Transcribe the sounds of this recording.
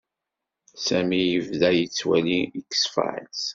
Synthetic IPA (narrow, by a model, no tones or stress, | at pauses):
sæmijəvðæjət͡sːwæliikːə̥sfʕ̰s